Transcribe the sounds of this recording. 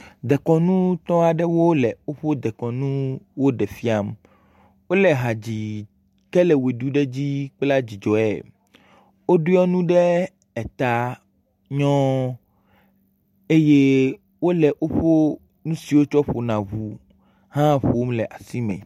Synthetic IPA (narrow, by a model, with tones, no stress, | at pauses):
d̪ɛ˨kɔ̃˨nũ˦t̪ɔ̃˦a˨ɖɛ˦wo˦lɛ˨o˦ɸo˦d̪ɛ˨kɔ̃˨nũ˦wo˦ɖɛ˨fi˦a˦m | wo˦lɛ˨ɦã˨d͡ʑi˨ | kɛ˦lɛ˨we˨ɖu˦ɖɛ˦d͡ʑi˦k͡pla˦d͡ʑi˨d͡ʒɔ˨ɛ̰˨ | o˦ɖu˦ɔ˦nũ˦ɖɛ˦ | ɛ˨t̪a˨ | ɲɔ̃˦ | e˦je˦ | wo˦lɛ˨ʔo˦ɸo˦ | nũ˦si˨wo˦t͡ʃɔ˦ɸo˨nã˨βu˨ | ɦã˦ɸo˨o˦mlɛ˨ʔa˨si˦mɛ̰̃˨